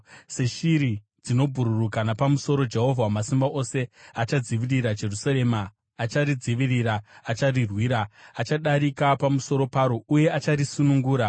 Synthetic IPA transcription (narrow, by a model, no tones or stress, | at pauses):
se̞ʃiɾi | d͡zino̞bʱuɾurukanapamuso̞ɾo̞d͡ʒe̞ɦo̞vʱawamasimbaʔo̞se̞at͡ʃad͡ziʋirirad͡ʒe̞rusaɾe̞ːmaː | t͡ʃaɾid͡ziʋiriɾaːt͡ʃarirwiːɾaːt͡ʃaɗaɾikapamuso̞ɾo̞paɾo̞uje̞at͡ʃaɾisunuŋɡuːɾa